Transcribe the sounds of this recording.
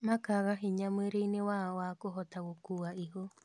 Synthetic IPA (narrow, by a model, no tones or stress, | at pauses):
mãkaβaɦeɲãmɨ̃ɾenẽwaaoakoɦot̪awokuwaʔiɦo